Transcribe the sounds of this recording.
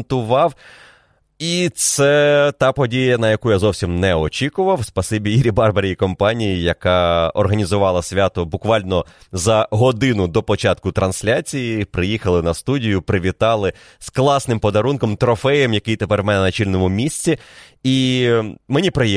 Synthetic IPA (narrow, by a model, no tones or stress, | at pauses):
nt̪ʊʋɑw | it̪sɛt̪ɑpɔdʲijɐnɐjɐkujazɔwsʲimnɛɔt͡ʃʲikʊʋɐwspɐsɪbʲiiɾʲibɑrbɐɾʲiikɔmpɑnʲijijɐkɑɔ̰rɦɐnʲizʊʋɑlˠɐsʲʋʲat̪ɔbʊkʋɑlʲnɔzɐɦɔd̪ɪnʊd̪ɔpɔt͡ʃɑt̪kʊt̪ɾɐnsʲlʲat͡sʲijipɾɪjixɐlˠɪnɐst̪udʲijʊpɾɪʋʲit̪ɑlˠɪ | sklˠɑsnɪmpɔd̪ɐɾunkɔmt̪ɾɔfɛjɐmjɐkɪjt̪epɛrʋmɛnɛnɐt͡ʃilʲnɔmʊmʲisʲt͡sʲii | menʲipɾɪji